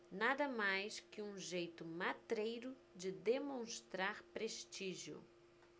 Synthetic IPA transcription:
nad̪ɐmajskɪũʒejt̪ʊmat̪ɾejɾʊ | d͡ʒɪd̪emõst̪ɾaɾpɾeʃt͡ʃiʒjʊ̰

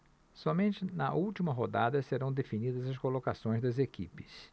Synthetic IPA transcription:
sɔmẽnt͡ʃɪnɐʔuwt͡ʃimɐɦod̪a̰d̪ɐseɾɐ̃w̃d̪efinid̪ɐzɐskolokasõj̃zd̪ɐzekḭpɪs

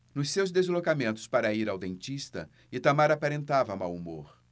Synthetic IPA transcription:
nʊsːewzd̪ezlokamẽnt̪ʊ̥spaɾɐiɾawd̪ẽnt͡ʃist̪ɐ̰ | ɪt̪amaɾapaɾẽnt̪avɐmawumo̰ɾ

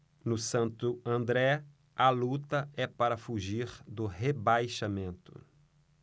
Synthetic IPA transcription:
nʊsɐ̃nt̪ʊɐ̃nd̪ɾɛ | ɐlut̪ɐɛpaɾɐfuʒiɾd̪ʊhebajʃamẽnt̪ʊ̰

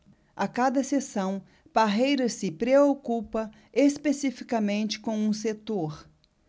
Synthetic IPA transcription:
akad̪ɐsesɐ̃w̃ | paɦejɾɐsɪpɾeokupɐ̃ | espesifikɐmẽnt͡ʃɪ̥kõw̃ũset̪oɾ

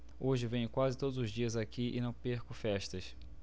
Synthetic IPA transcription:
oʒɪvẽj̃ʊkwazɪt̪od̪ʊzʊzd͡ʒiɐzakiʔɪ̰nɐ̃w̃peɾkʊfɛʃt̪ɐs

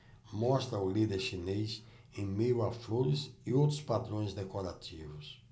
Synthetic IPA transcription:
mɔst̪ɾɐʊlid̪eɾʃinejs | ẽj̃mijwafloɾɪsɪowt̪ɾʊ̥spad̪ɾõj̃zd̪ekoɾat̪ivʊs

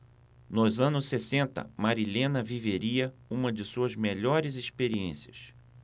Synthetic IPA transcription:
nʊzɐ̃nʊsːesẽnt̪ɐ̰maɾilẽnɐviveɾiɐũmɐd͡ʒɪsuɐzmeʎɔɾɪzespeɾiḛ̃siɐs

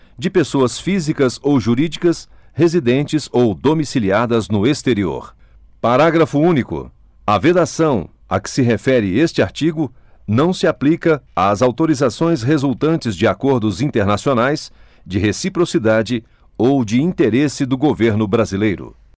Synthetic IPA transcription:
d͡ʒɪpesoɐsfizikɐzowʒuɾid͡ʒikɐs | hezid̪ẽnt͡ʃɪzowd̪omisiliad̪ɐznʊest̪eɾio̰ɾ | paɾaɡɾɐfʊũnikʊ̰ | ɐved̪asɐ̃w̃ | ɐ̰kɪ̥sɪɦefɛɾɪest͡ʃɪaɾt͡ʃiɡʊnɐ̃w̃sɪaplikɐazawt̪oɾizasõj̃sɦezuwt̪ɐ̃nt͡ʃɪzd͡ʒɪakoɾd̪ʊzĩt̪eɾnasionajs | d͡ʒɪɦesipɾosid̪ad͡ʒɪ | owd͡ʒɪĩt̪eɾesɪd̪ʊɡoveɾnʊbɾazilejɾʊ̰

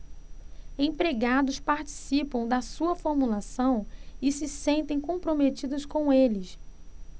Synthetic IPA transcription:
ẽpɾeɡad̪ʊspaɾt͡ʃi̥sipɐ̃w̃d̪ɐsuɐfoɾmulasɐ̃w̃ɪsɪsẽnt̪ẽj̃kõpɾomet͡ʃid̪ʊskõw̃elɪs

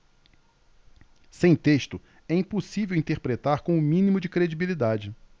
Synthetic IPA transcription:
sẽj̃t̪eʃt̪ʊ | ɛĩposivewĩnt̪eɾpɾet̪aɾkõw̃ʊmĩnimʊd͡ʒɪkɾed͡ʒibilid̪ad͡ʒɪ

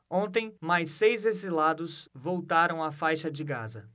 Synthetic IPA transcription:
õnt̪ẽj̃majsːejzezilad̪ʊsvowt̪aɾɐ̃w̃afajʃɐd͡ʒɪɡa̰zɐ

